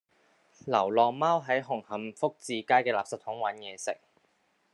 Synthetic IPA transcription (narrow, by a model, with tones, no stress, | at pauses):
lɐ˨˩wlɔː˨maː˥wɦɐ˨˥jɦʊ˨˩ŋhɐ˨˥mfʊ˥k̚t͡siː˨˧kaː˥jkɛː˧laː˨p̚sɐ˨˥t̪̚hʊ˨˥ŋwɐ˨˥njɛː˨˧sɪ˨k̚